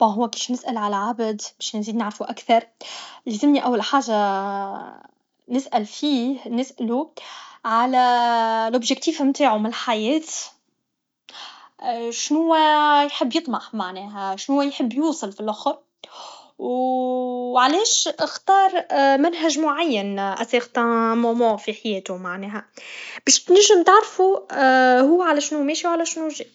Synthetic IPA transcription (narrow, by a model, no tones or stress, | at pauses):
aɦʊwːækifnɪsʔalʕalæʕabd̪bɛːʃnziːd̪nɪʕɾfuʔakθɑɾˤlezɪmniʔawːalħaːʒa | nɪsʔælfiːhnɪsʔɪluʕalælʔʊbʒɪk̚t̪iːfamt̪aːʕumɪnɪlħajɛːt̪ | ʃnʊwːæjħəbːjɨt̪ˤmɑħmaʕnɛːɦæʃnʊwːæjħəbːjuːsˤɨlfilʔʊxɾ | w | ʕalɛːʃɪxt̪ɑːɾˤmænɦæʒmʊʕajːænʔæsiːxt̪æmomɑ̃ːfiħajɛːt̪ʊmaʕnɛːɦæb̥ɛːʃt̪næʒːɪmt̪aʕɾˤfu | ɦʊːʕalæʃnumɛːʃiwʕalæʃnuʒi